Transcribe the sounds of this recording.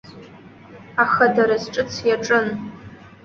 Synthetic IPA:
aχadaɾazʈ͡ʂʼɨt͡sʰjaʈ͡ʂʼɨn

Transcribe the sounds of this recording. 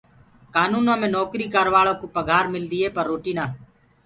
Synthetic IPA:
kaːnuːnãːmẽːnɔːkɾiːkəɾʋaːlõːkoːpəɡʱaːɾmɪld̪iːɦeːpəɾːoːʈiːnãː

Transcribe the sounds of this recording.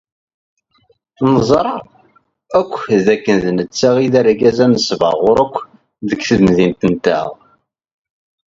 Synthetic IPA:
nəzˤɾˤɑ | ækʷːðækːənðənət͡sːæʁiðæɾɡæzænəsvə̰ʁʊɾækʷː | ðəɡθəðnðint̪ənt̪æ̰ʁ

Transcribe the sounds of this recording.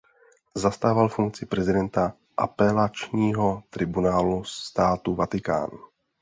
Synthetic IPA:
zast̪aːvalfuŋk̚t͡sɪpɾɛzɪdɛnt̪a | ʔa̰pɛlat͡ʃɲiːɦo̞t̪ɾɪbunaːlust̪aːt̪uvat̪ɪka̰ːnu

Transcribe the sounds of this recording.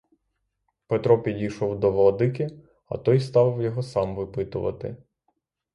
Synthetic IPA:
pet̪ɾɔpʲidʲijʃɔwd̪ɔʋɔlˠɔd̪ɪkʲɪ | ɐ̰t̪ɔjst̪ɑʋɪwjɔɦɔsɑmʋɪpɪt̪ʊʋɐ̰t̪ɪ̰

